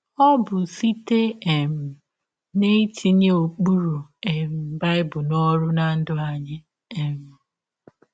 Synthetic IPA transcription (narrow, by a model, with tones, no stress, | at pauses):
ɔ˦bʊ˨si˦te˦e˨m̩˨ | ne˦ti˦ɲe˦o˨k͡pu˦ɾu˨e˨m̩˨m̩˨ba˦ɪ˦bʊ˨nɔ˦ɾʊ˦na˨n̩˦dʊ˦a˨ɲɪ˦ | e˨m̩˨